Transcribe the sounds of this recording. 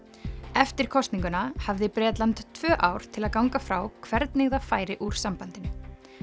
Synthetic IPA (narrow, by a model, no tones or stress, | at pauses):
ɛft̪ɪɾ̥kʰɔst̪niŋkʏnahavðɪpɾɛːt̪lant̪t̪ʰvœːʔawɾ̥t̪ʰɪlaðkawŋkafɾaːwkʰvɛɾt̪nɪɣðafaːjɾɪʔuɾ̥sampant̪ɪn